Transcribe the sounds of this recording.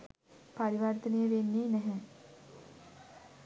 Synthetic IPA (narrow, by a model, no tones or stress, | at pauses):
paɾiʋɐrt̪ənejəʋenːiːnɛɦɛ̃